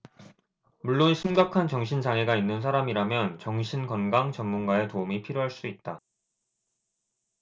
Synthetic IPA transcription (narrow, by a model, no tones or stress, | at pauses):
muɭːonɕʰimɡakʰant͡ɕʌŋɕʰind͡ʑaŋeɡainːɯns̬ʰaɾamiɾamjʌnt͡ɕʌŋɕʰinkʌnɡaŋt͡ɕʌmːunɡae̞tomipʰiɾjoɦaɭs͈uit̚t͈a